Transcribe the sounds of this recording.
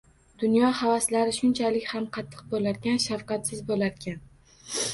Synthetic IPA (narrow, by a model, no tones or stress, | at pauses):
d̪̥ʊnjɒhavaslaɾɪʃʊnt͡ʃʰalɪkʲhamqʰɑt̪ʰːɨ̥q̚bolaɾɡʲanʃafqɑt̪sɪzbolaɾɡʲan